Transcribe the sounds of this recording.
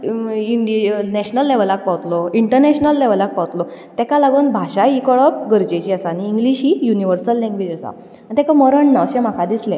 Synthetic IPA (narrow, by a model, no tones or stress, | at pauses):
iɳɖinɛɕnəlːɛʋlak̚pawt̪lɔiɳʈəɾnɛɕnəlːɛʋlak̚pawt̪lɔt̪ɛkalaɡunbʱaɕaikəɭɔp̚ɡəɾd͡ʑet͡ɕiːəsañiːŋɡliɕiːjuniʋəɾsəlːɛ̃ŋɡʋed͡ʑəsa̰ | ãt̪ɛkaməɾəɳːaəɕɛ̃m̤akʰad̪islẽ